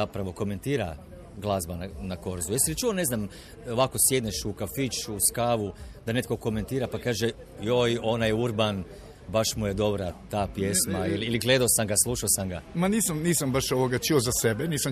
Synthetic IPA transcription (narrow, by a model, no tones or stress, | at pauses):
zapɾaʋo̞ko̞me̞nt̪iːɾa̰ | ɡlˠazbananako̞ɾzujesiɾit͡ʃuʋone̞znam | oʋakosje̞d̪neʃukafit͡ʃuskaːʋud̪ane̞t̪ko̞ko̞me̞nt̪iːɾapakaːʒe | jojo̞najuɾban | baʃmujed̪o̞bɾat̪aːpjesmaililiɡle̞d̪aosamɡaslˠuʃaosamɡamaniːsamniːsambaʃoʋoɡat͡ʃiozasebeniːsam